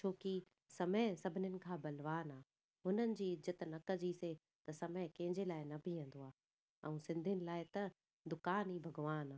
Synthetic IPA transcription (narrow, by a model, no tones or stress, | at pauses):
t͡ɕʰoːki | sɐməsɐbʱɪnənɪ̆kʰãːbɐlʋaːnaː | ɦʊnənɪ̆d͡ʑiːd͡ʑɪt̪nɐkəd͡ʑiːse | t̪ɐsɐməɦkɐ̃ɦɪ̃ɲd͡ʑelaːɪnɐbʱiẽːn̆d̪oaː | ɛ̃ːsɪ̃nd̪ʱijənɪ̆laːɪt̪ɐ | d̪ʊkaːniːbʱɐɡʋaːnaː